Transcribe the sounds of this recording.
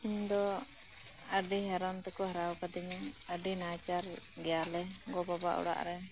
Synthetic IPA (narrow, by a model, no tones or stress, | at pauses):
ind̪ɔ | əɖiɦaɾɔnt̪ɛkɔɦaɾawkad̪iɲɛəɖinat͡ʃaɾɡɛjalɛɡɔbaba̰ʔɔ̰ɽa̰ʔɾɛ